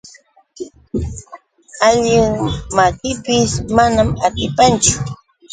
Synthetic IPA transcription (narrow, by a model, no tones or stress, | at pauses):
aʎɪŋmakɪpɪsmanamat̪ɪpant͡ʃʊ̥